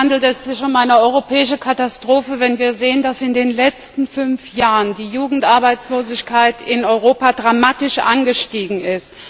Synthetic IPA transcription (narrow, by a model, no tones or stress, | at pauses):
andl̩tɛsz̥ɪçʊmaɪnəɔʏʁopʰɛːɪʃəkʰatastʁ̥oːfəvɛnviːɐzeːəndasɪndeːnlɛt͡stn̩fʏnfjaːʁəndiːjuːɡŋ̩tʔaɐbaɪt͡sloːzɪçkʰaɪtɪnɔʏʁ̞oːpadʁamaːtɪʃʔa̰nɡəʃtiːɡŋ̩ɪst